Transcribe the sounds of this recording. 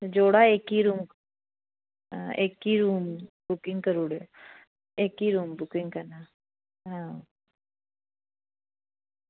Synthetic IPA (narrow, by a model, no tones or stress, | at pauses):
d͡ʒoːɽaeːkiɾumk | eːkiɾuːmbʊkɪ̃ŋkəɾuːɽe | eːkiɾuːmbʊkɪŋɡkənaː | ɦã